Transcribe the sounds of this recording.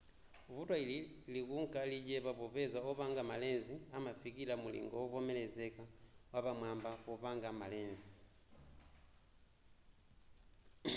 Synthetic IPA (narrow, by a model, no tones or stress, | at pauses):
vutwaililikuŋkaliɟeβaβoβezaoβaŋɡamalenziamafikilamulḭŋɡowɔvomelezekawaβamwambaβoβaŋɡamaleːnzi